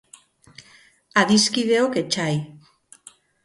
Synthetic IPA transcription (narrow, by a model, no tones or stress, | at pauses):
aðiskiðe̞o̞ke̞t͡ʃaj